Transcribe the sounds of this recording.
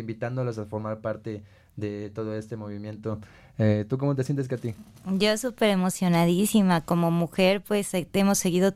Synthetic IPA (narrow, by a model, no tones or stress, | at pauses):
imbit̪and̪o̞los̬afo̞ɾmaɾpaɾt̪e̞ | ðet̪o̞ðoe̞st̪emo̞βimje̞nt̪o | et̪uk̬omot̪esje̞nt̪es̬keat̪i | d͡ʒosupe̞ɾe̞mo̞sjo̞naðisimako̞mo̞muxe̞ɾpwe̞semo̞sːe̞ɣiðo̞